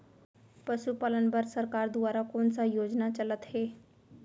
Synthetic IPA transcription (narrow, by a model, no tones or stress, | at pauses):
pəsupalənbəɾsəɾkaɾd̪uʋaɾakoɳt͡sajod͡znat͡ɕələt̪he